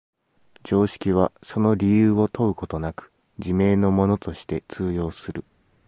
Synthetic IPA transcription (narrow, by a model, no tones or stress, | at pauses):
d͡ʑo̞ːɕi̥kʲiβ̞aso̞no̞ɾʲijɯːo̞t̪o̞ɯ̟ko̞t̪o̞nakɯ̟̥ | d͡ʑime̞ːno̞mo̞no̞t̪o̞ɕi̥t̪e̞t͡sɨːjo̞ːsɨɾɯ̟